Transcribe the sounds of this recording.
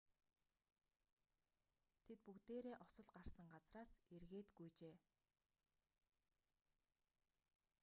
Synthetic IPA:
t̪ʰet̪̚pukt̪eːɾeːʔɔsɞ̆ɮɢar̥sə̆ŋɢat͡sraːserɣeːt̪ɡujt͡ɕeː

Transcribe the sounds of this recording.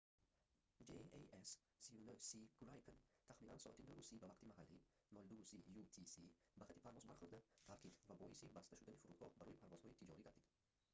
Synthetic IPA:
d͡ʒeees | siunosiɡ̥ɾajpʰnt̪ʰaχminansɔ̰ʔa̰t̪inɔɾusibavaqt̪ʰimaɦalːi | mɔld̪usijut̪ʰisi | baχat̪ʰːi̥pʰaɾvɔzbaɾχuɾd̪at̪ʰaɾkʰit̪vabɔʔisibast̪ʰaʃud̪anifuɾud̪ɡɔhbaɾɔjipʰaɾvɔz̥hɔit̪ʰid͡ʒɔɾiɡaɾd̪id̪̥

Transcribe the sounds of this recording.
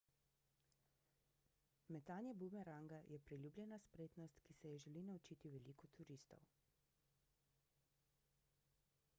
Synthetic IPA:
mɛt̪aːnjɛbumɛɾaːŋɡajʔɛpɾilʲjuːbljɛnaspɾeːt̪nɔst̪kisɛjɛʒɛlinaut͡ʃiːt̪iʋɛliːkɔt̪ʰuɾiːst̪ɔ̰w

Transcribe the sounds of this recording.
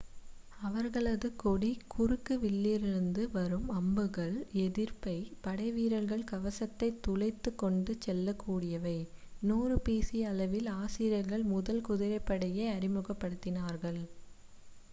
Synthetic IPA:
ɐʋɐɾɣɐɭɐðɯkːɔɽikʰʊrɯkːɯʋɪlːiːɾɪɾɯnd̪ɯʋɐɾɯmɐmbɯɣɐɭɛðɪɾpɐɪpɐɽɐɪʋiːɾɐɾɣɐɭkɐʋɐsɐt̪ːɐɪt̪ːʊlɐɪt̪ːɯkːɔɳɖɯt͡ʃːɛlːɐkːuːɽɪjɐʋɐɪnuːɾɯpeːsiɐlɐʋɪlaːsɪɾɐɾɣɐɭmʊðɐlkʊðɪɾɐɪpːɐɽɐjɐɪɐɾɪmɯɣɐpːɐɽɯt̪ːɪnaːɾɣɐɭ

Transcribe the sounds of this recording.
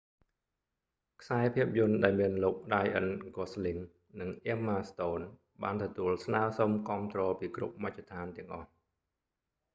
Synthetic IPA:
kʰsaɛpʰiəp̚jʊənɗaɛlmiənloːk̚ɗajʔənɡosliŋ | nɨŋʔemːaːst̪oːn | ɓaːnt̪ɔt̪uəlsnaəsomkŏəmt̪rɔːpiːkrṵp̚mac̚ʰːat̪ʰaːnt̪ɛ̆əŋʔɑ̰h

